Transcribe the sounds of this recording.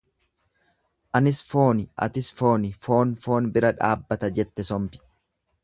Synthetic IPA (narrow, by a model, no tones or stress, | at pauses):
ʔɐnɪsfo̞ːnɪʔɐ̰t̪ɪsfo̞ːnɪfo̞ːnfo̞ːnbɪɾɐᶑa̰ːbːɐt̪ɐd͡ʒɛt̪ːɛsɔmpɪ̥